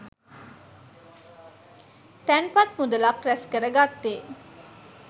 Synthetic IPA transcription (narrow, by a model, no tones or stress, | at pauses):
t̪ænpat̪mud̪əlapɾɛskəɾəɡat̪ːeː